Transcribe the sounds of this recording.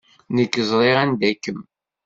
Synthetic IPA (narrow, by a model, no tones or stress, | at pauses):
nəkːəzˤɾˤeʁænd̪ækːəm